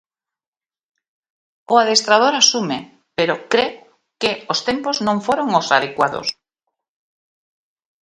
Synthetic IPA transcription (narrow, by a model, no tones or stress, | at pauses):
oað̞est̪ɾað̞oɾasume | peɾokɾe | keost̪empoznõɱfoɾoŋosað̞ekwaðo̰s